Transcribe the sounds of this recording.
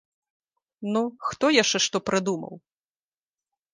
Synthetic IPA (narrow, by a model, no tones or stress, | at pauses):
nuxt̪ɔjaʂt͡ʂɛʂt̪ɔpɾʔɨd̪umɐ̰w